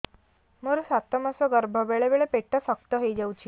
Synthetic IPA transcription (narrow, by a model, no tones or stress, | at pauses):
məɾsat̪əmasəɡəɾbʱəbeɭeʋeɭepeʈːəsək̚t̪əɦed͡ʑewt͡ɕiː